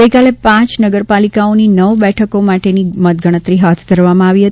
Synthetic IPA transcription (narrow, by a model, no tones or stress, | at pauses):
əikalepãt͡ʃnəɡəɾpalikaoninəʋbɛʈʰəkomaʈenimət̪̚ɡəɽ̃ət̪ɾiɦat̪ʰd̪ʱəɾʋamãaʋiɦət̪